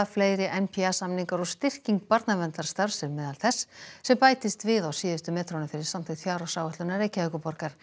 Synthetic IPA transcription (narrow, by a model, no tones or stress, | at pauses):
afleːjɾɪʔɛnpʰiasamniŋkaɾɔɣst̪ɪr̥ciŋk̚paɾt̪navɛnt̪aɾ̥st̪aɾ̥sɛmmːɛːðalθɛsːɛmpaːjt̪ɪst̪vɪðawsiːðɪst̪ʏmɛːt̪ʰɾownɪfɪɾɪɾ̥samt̪ʰɪkt̪fjaːwɾawsaːwɛht̪lʏnarejcaɛkʏpɔɾkaɾ̥